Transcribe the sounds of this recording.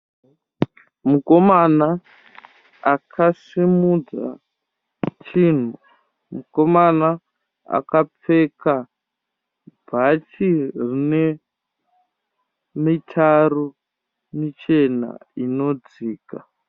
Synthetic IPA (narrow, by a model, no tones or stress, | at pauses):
mukomana | akʰasimud͡za̰ | t͡ʃiːn̤u | muko̞mana | a̰kap͡feka | bʱat͡ʃirine | mitʰaɾu | mit͡ʃena̰ino̞d͡ziːka